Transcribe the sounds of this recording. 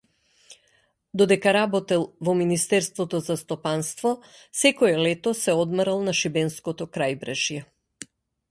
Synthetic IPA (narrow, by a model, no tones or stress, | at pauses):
d̪ɔd̪ɛkaɾabɔt̪ɛlˠvɔminist̪ɛɾst̪vɔt̪ɔzast̪ɔpanst̪vɔsɛkɔɛlɛt̪ɔsɛɔd̪mɾalˠnaʃibɛnskɔt̪ɔkɾajbɾɛʒjɛ